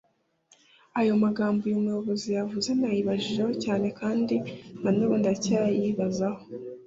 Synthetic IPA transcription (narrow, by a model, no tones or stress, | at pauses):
ajo̞maɡaːmbojumujo̞βo̞zijavuze̞najiβaʒiʒe̞ho̞caːne̞kaːndinanuβondiacaɾjiβazaho̞